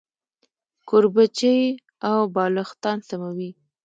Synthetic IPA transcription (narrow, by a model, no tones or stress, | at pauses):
koɾbat͡ʃəj | awbɑləxt̪ɑnsamawi